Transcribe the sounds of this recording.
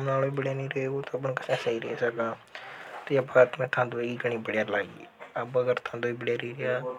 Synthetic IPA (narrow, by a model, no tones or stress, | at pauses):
mnaːloːiːbəɽjaːnĩːɾeeːoːt̪opəɳkəsɛ̃ːsaiːɾeḛːsəɡãːt̪eəbat̪mɛ̃ːt̪ʰãːd̪oːiːɡəɳ̃ĩːbəɽjaːlaːḭəbəɡəɾt̪ʰãːnd̪oːiːbəɽjaːɾiːɾɪjaː